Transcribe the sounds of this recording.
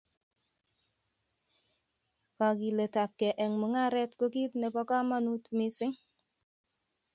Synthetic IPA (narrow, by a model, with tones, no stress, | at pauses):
ka˨ki˨le˨ta˨p̚kɛ˨ʔɛ˨ŋmu˨ŋa˦ɾɛ˦tko˦ki˦tne˨pɔ˦ka˦ma˦nu˦tmɪ˦sɪ˦ŋ